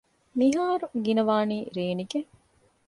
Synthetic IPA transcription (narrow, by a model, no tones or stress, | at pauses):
miɦaːɾuɡinɐʋaːniːɾeːniɡeŋ